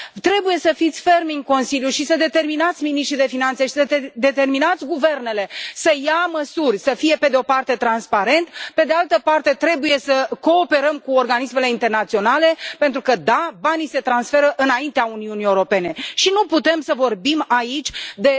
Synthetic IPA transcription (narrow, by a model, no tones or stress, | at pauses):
t̪ɾe̞buje̞səfit̪sʲfe̞rmiŋɡko̞nsiljuʃisəd̪e̞t̪e̞rminat̪sʲminiʃt̪ɾid̪e̞finant̪se̞ʃi̥səd̪e̞t̪e̞rminat̪sʲɡuve̞rne̞le̞səjaməsurʲsəfije̞pe̞d̪eo̞part̪e̞t̪ɾanspaɾe̞nt̪pe̞d̪e̞alt̪əpart̪e̞t̪ɾe̞buje̞səko̞ːpe̞ɾəmkuorɡanisme̞le̞int̪e̞rnat̪sio̞nale̞pe̞nt̪ɾukəd̪abanise̞t̪ɾansfe̞ɾəʔɨnaint̪eauniunieuɾo̞pe̞ne̞ʃinuput̪e̞msəvo̞rbimait͡ʃʲd̪e̞